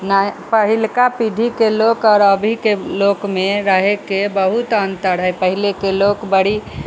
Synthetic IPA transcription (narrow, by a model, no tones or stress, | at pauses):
napəɦilkapid̪ʱikelokɔɾəbʱikelokmeɾəɦekebəɦut̪ənt̪əɾɦəjpəɦilekelokbəɽi